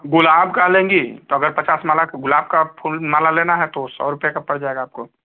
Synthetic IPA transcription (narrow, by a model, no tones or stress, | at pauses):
ɡʊlaːbkalẽːŋɡit̪oɐɡəɾpət͡ʃaːsmaːlakɡʊlaːb̚kapʰulmaːlaleːnaɦɛt̪osɔ̰ːɾʊpjekapəɽd͡ʒaːeɡaːp̚ko